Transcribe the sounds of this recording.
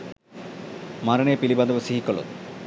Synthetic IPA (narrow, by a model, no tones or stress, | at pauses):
maɾənepilibad̪obosiɦikɔlo̰